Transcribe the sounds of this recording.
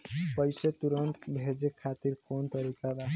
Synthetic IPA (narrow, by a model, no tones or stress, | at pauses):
pɔjset̪uɾɔnt̪bʱed͡ʒekʰat̪iɾkont̪ɔɾikad̪a